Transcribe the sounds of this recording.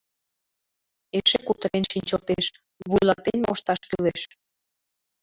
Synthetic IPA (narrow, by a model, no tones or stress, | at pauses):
eʃekut̪əɾenʃinʲt͡ɕot̪eʃ | βujlɑt̪enmoʃt̪ɑʃkyleʃ